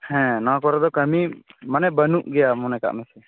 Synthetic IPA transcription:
hɛ̃nakɔɾad̪ɔkəmimanɛbənuʔɡɛjamɔnɛka̰ʔmɛsɛ

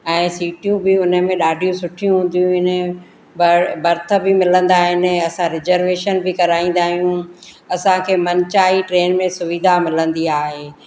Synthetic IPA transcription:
ɛ̃ːsiːʈijũbɪʊnəmẽɗaːɖʱijũsʊʈʰijũɦũːn̆d̪ijũɪnə | bɐbɐɾt̪ʰə̆bɪmɪlə̃nd̪aːɦɪnɐsãɾɪzəɾʋeːʃənbɪkɐɾaːĩːn̆d̪aːɦijũ | ɐsãkʰeːmɐnt͡ɕaːiʈɾeːnmẽsʊʋid̪ʱamɪlə̃nd̪iaːɦeː

